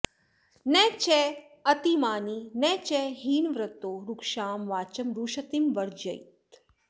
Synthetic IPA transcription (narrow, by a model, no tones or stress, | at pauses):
nɛːt͡ʃɛː | ɐt̪imaːniːnɛt͡ʃɛɦiːnʋɾɐt̪oːɾukʃaːmʋaːt͡ʃɐmɾuːʃɐt̪imʋɐɾd͡ʒɐ̰jt̪